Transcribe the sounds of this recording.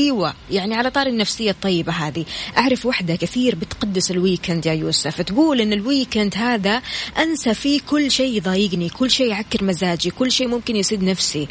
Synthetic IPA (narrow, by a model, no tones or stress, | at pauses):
iːwajaʕniʕalat̪ˤɑːɾnːafsɪjːat̪ˤːɑjːɪbaɦaːd̪iʔaʕɾˤɑfwaħd̪akɪθiːɾbɪt̪qɑd̪ːɪsɪlwiːkand̪jajuːsaft̪ɡuːlʔɪnːɪlwiːkand̪ɦaːðaʔansafikʊlːʃeːðˤɑːjɪɡnikʊlːʃeːjʕakːɪɾmazaːd͡ʒikʊlːʃeːmʊmkɪnjsˤiːd̪nafsi